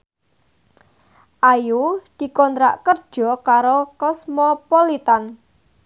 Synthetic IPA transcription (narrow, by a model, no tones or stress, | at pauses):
ʔajud̪̥i̤kɔnt̪ɾa̰ʔkərd̥ʒ̥ɔ̤kaɾokɔsmɔpɔlit̪an